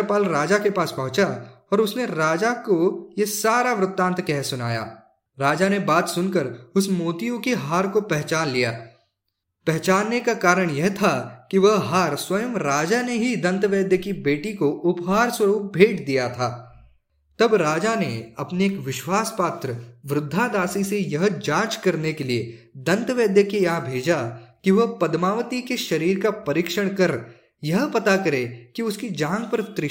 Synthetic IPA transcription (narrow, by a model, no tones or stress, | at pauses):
paːlɾaːd͡ʒakepaːspɐ̃ɦʊ̃t͡ʃaɔːɾʊsneɾaːd͡ʒakojesaːɾaʋɾʊt̪ːãːnt̪kɛɦsʊna̰ːja̰ː | ɾaːd͡ʒanebaːt̪sʊnkəɾʊsmoːt̪ijõkeɦaːɾkopɛɦt͡ʃaːnlijaː | pɛɦt͡ʃaːnːekakaːɾəɽ̃jɐɦt̪ʰakiʋɐɦɦaːɾswɐjəmɾaːd͡ʒaneɦid̪ɐ̃nt̪ʋeːd̪jəkibeːʈikoʔʊpɦaːɾswɐɾuːk̚bʱeːʈd̪ijat̪ʰaː | t̪ɐbɾaːd͡ʒaneɐpneeːkʋɪʃwaːspaːt̪ɾəʋɾʊd̪ʱːad̪aːsisejɐɦd͡ʒãːt͡ʃkɐɾnekelie | d̪ɐ̃nt̪ʋeːd̪jəkejaɦbʱeːd͡ʒakiʋɐɦpɐd̪maːʋət̪ikeʃɐɾiːɾkapɐɾɪkʃəɽ̃kɐɾ | jɐɦpɐt̪akɐɾekiʊskid͡ʒãːŋɡ̚pɐɾt̪ɾɪ